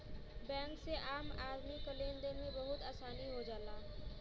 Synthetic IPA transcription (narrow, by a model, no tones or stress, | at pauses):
bɛ̃ːŋkseʔaːmaːɾmikəleːnd̪emẽbəɦʊt̪aːsaːniɦod͡ʒaːlaː